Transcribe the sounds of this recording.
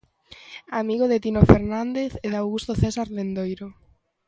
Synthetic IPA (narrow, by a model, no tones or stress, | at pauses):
amiɣoðet̪inofeɾnand̪eθeðawɣust̪oθɛsaɾlend̪ojɾo